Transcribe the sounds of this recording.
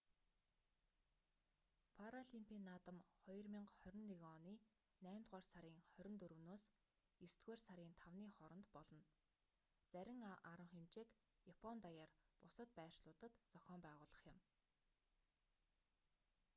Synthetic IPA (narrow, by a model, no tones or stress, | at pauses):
pʰaɾaɮimpʰʲiːnːaːt̪ə̆mχɔjɞ̆rmʲiɴqχœɾʲɪ̆nːiɣɔniː | næːmʲt̪ʁaːrsaɾʲiːŋχœɾʲɪ̆nt̪ɵɾɵ̆wnoːs | est̪ɡeːrsaɾʲiːnt̪ʰawniːχɔɾɞ̆nt̪pɔɮɞ̆n | t͡sæɾʲɪ̆ŋaɾə̆χemt͡ɕeːk | japʰɔnt̪ajaːrpʊsə̆t̪pæːr̥ʃɮʊːt̪ə̆t̪t͡sɔxʲɔːmpæːʁʊːɮə̆χjɪ̆m